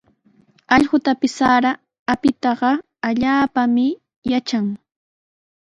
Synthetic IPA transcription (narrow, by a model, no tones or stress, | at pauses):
ɑʎɢʊt̪apɪsːaɾa | apɪt̪ɑɢɑ | aʎaːpamɪ | jat͡ʃaŋ